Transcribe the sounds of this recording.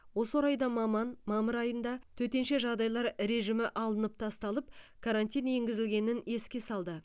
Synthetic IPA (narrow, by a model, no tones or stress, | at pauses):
wo̞səoɾɑjd̪ɑmɑmɑnmɑməɾɑjənd̪ɑt̪ʰɵt̪e̞nʃe̞ʒɑʁd̪ɑjlˠɑɾɾe̞ʒɪmɪʔɑlˠənəp̚t̪ʰɑst̪ɑlˠəp̚kʰaɾant̪ijne̞ŋɡʲɪzɪlɡʲe̞nɪne̞skʲe̞sɑlˠd̪ə